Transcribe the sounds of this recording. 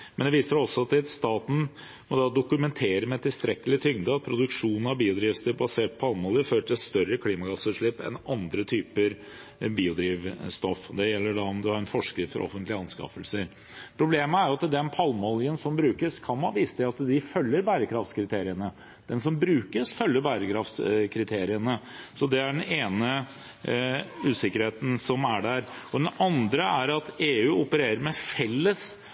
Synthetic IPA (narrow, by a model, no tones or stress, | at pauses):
mɛnd̪ɛʋiːsəɖɔsːɔɑt̪̚d̪ɪt̪st̪ɑːt̪n̩ | mɔd̪ɑd̪ʊkʉmɛnt̪ʰeːɾəmɛt̪ʰːɪlst̪ɾɛkːəlɪt̪ʰʏŋd̪əɑt̪̚pʰɾʊd̪ʉkʂuːnn̩ɑʋbiːʊd̪ɾiːʋst̪ɪbɑseːʈ̚pʰɑlmɔljəføːɾəʈʰɪlst̪œɾːəkʰliːmɑɡɑsʉʂɭɪpːɛ̰nɑnd̪ɾət̪ʰyːpəɾ | biːʊd̪ɾiːʋst̪ɔfɔd̪ɛjɛlːəɖɑɔmd̪ʉhɑɾɛnfɔʂkɾɪt̪fɔɾʔɔ̰fənt̪lɪəɑnskɑ̰fəlsəɾ | pʰɾʊbleːməæɾjʊɑt̪d̪ɛnpʰɑlmɔljənsɔmbɾʉːkəskʰɑnhɑːʋiːst̪ʰɪɑt̪d̪ɪfœlːəɾbæːɾəkʰɾɑft̪skʰɾɪt̪ʰeːɾɪənə | d̪̥ɛnsɔmbɾʉːkəsfœlːəɾbæɾəkʰɾɑft̪skʰɾɪt̪ʰeːɾɪənə | sɔd̪ɛæɖɛneːnə | ʉːsɪkːəɾheːt̪n̩sɔmæɖæɾɔd̪ɛnɑnd̪ɾəæɾɑt̪eːʉːʊpəɾeːɾəɾmɛfɛlːəs